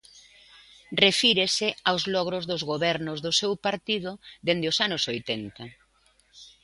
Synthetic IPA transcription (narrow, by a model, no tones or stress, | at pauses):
refiɾesɪawzlɔɣ̞ɾʊzðʊzɣoβɛɾnʊzðʊsewpaɾt̪ið̞ʊðend̪ɪʊsanʊsojt̪ɛnt̪a